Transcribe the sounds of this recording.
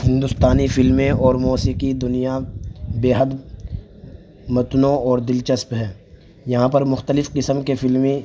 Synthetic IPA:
hɪ̃nd̪ʊst̪aːnifɪlmẽɔːɾmoːsiqid̪ʊnijabeːɦəd̪ | mɐt̪nõɔːɾd̪ɪlt͡ʃəspɦɛ̃ː | jɐɦãpɐɾmʊxt̪əlɪfqɪsəmkefɪlmĩ

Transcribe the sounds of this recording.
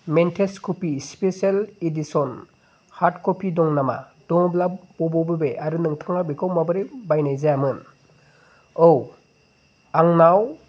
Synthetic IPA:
mentʰeskʰɔpispesaledisɔn | haɾtkɔpʰidɔŋnama̰ | d̥ɔŋɔblabɔbɔbɯbeʔaɾɯnɯŋtʰaŋabekʰawmabɯɾibajnajzajamɯn | ow | aŋnaw

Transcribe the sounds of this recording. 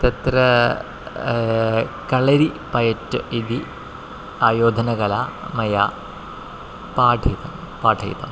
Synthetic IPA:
t̪ɐt̪ɾɐ | kɐɭɐɾi | pɐjɐtːuʔid̪i | aːjoːd̪ʱɐnɐɣɐla | mɐjaː | paːʈʰɐt̪ɐm | paːʈʰɐ̰j̰t̪ɐm

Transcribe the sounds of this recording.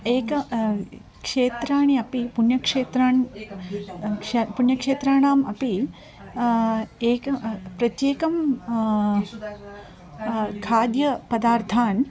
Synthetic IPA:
eːkɐ | kʂeːt̪ɾaːɳiɐpipunjɐkʂeːt̪ɾaːɳ | puɳjɐkʂeːt̪ɾaːɳaːmɐ̰pi | eːkɐpɾɐt̪jeːkɐm | kʰaːd̪jɐpɐd̪aːɾt̪ʰaːn

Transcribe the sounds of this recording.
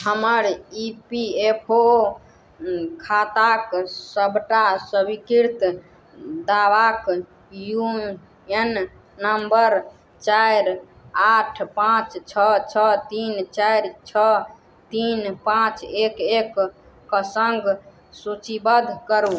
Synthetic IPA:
həməɾipiepʰo | kʰat̪aksəbʱʈasəbikiɾt̪ | d̪abak | ju | enː | əmbəɾ | t͡ʃajɾ | aʈʰpãt͡ʃt͡ʃʰət͡ʃʰət̪int͡ʃajɾt͡ʃʰə | t̪inpãt͡ʃekekː | səŋɡ | sut͡ʃibəd̪ʱkəɾu

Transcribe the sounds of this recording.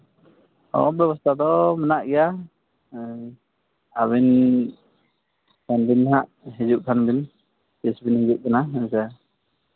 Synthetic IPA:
ɔ̰bjɛbɔst̪ʰad̪ɔmənaʔɡɛja | abin | sɛnbinɦaʔ | ɦid͡ʒuʔ̚t̪ʰanbin | tisbinhid͡ʒuʔ̚kanaɦəsɛ

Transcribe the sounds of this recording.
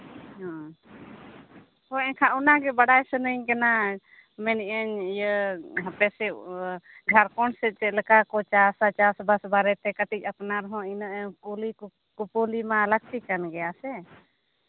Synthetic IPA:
ɦɔ̃ | hɔɛɲkʰãunaɡɛbəɽajsənəɲkana | mɛniʔəɲjəɦəpɛsɛ | d͡ʒʱaɾkɔɳsɛt͡ʃɛləkakɔt͡ʃasat͡ʃasbəsbaɾɛt̪ɛkəʈit͡ʃ̚ˀapnaɾɔɦɔ̃inəʔkuli | kupulimalək̚t̪ikanɡɛjasɛ

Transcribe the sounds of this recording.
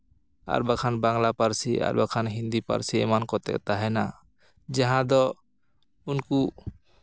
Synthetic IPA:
a̰ɾbakʰanbaŋlapaɾsia̰ɾba̰kʰanɦind̪ipa̰ɾsiɛ̰mankɔt̪ɛ̰kt̪aɦɛna | d͡ʒaɦãd̪ɔ | unku

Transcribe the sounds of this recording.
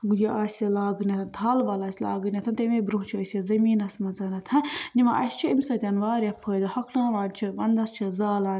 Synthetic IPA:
ɡujɐʔaːsʲjɐlaːɡɨnʲɐt̪ʰɐnt̪ʰaːlʋɐlaːsʲla̰ːɡɨnʲɐt̪ʰɐnt̪ɐmebɾuɦt͡ʃʰiɐsjɐzɐmiːnɐsʲmɐzɐnɐt̪ʰɐnimɐ̰ʔɐ̰st͡ʃʰiimʲsɐt̪ʲɐnʋaːɾʲjɐpʰəːd̪ɐhɐkʰlaːʋaːnʲt͡ʃʰibɐnd̪ɐst͡ʃʰizaːlaːn

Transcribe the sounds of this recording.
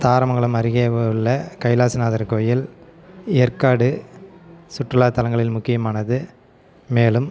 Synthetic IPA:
t̪aːɾɐmɐŋɡɐɭɯmɐɾɪɣeːʋɐɭːɐkɐɪlaːsɯnaːðɐɾkoːjɪl | ɪjɐɾkaːɽɯ | sʊʈrɯlaːt̪ɐlɐŋɡɐɭɪlmʊkːɪjɐmaːnɐðɯ | meːlɯm

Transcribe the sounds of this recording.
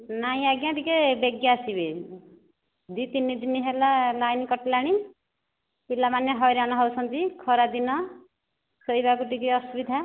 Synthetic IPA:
naĩaɡjãʈ̪ikebeɡjasibe | d̪it̪inid̪iniɦelalajnikɔʈlaɽ̃i | ilamanjeɦɔjɾañɔɦɔwsʌnd͡ʒikʰɔɾad̪inɔ | səjbakuʈikiɔsubid̪ʱa

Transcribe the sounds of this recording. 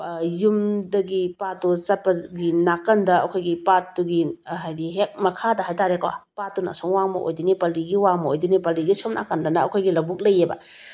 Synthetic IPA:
jumdɐɡipatːut͡ʃɐpɐɡinakɐndɐɐ̰kʰojɡipatːuɡiɦajdiɦek̚mɐkʰadɐɦajtaɾekwa̰patːunɐ̰soŋwaŋmɐ̰ʔo̰jdinipɐliɡiwaŋmɐojdunipɐliɡisomnʔa̰kɐndɐnɐɐkʰojɡilɐwbuk̚lɐjebɐ̰

